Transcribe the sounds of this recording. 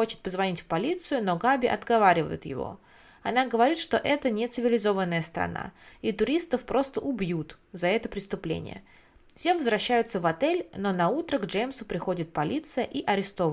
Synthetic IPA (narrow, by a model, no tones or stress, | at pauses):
xo̞t͡ɕɪ̥t̪̚pəzvɐnʲitʲfpɐlʲit̪sɨjʊno̞ɡabʲɪʔɐ̰d̪ɡɐvaɾʲɪvə̰jʊ̰t̪jɪ̰vo̞̰ | ɐnaɡəvɐɾʲit̪ʂt̪o̞ʔɛt̪ənʲɪt̪sɨvʲɪlʲɪzo̞vənːəjəst̪ɾɐ̰na̰it̪ʊɾʲist̪əfpɾo̞st̪əʔʊbjut̪ | zɐɛt̪əpɾʲɪst̪ʊplʲḛnʲɪ̰jə̰ | fsʲevəzvɾɐɕːæjʊt̪səvɐt̪ɛlʲno̞nɐut̪ɾəɡʐejmsʊpɾʲɪxo̞dʲɪt̪̚pɐlʲit̪sɨjəʔiʔɐɾʲɪst̪o̞v